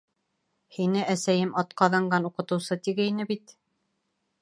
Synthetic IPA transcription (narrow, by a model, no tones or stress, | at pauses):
hinɘʔæsæjɘmɑt̪qɑðɤɴɢɑnuqɤ̆t̪ɤ̆wsɤt̪iɡɘinɘbit̪